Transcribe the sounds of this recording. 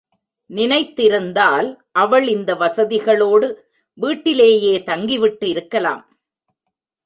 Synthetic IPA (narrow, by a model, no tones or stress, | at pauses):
nɪnɐɪt̪ːɪɾɯnd̪aːlʔɐʋɐɭɪnd̪ɐʋɐsɐðɪɣɐɭoːɽɯ | ʋiːʈːɪleːjeːt̪ɐŋɡiʋɪʈːɯɪɾɯkːɐla̰ːm